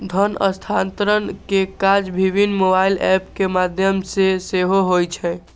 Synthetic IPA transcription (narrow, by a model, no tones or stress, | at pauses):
d̪ʱənə̰st̪ʰant̪ɾənkekad͡ʒbʱibʱinːmobailɛpkemad̪ʱjəmseseɦoɦojt͡ʃʰɛ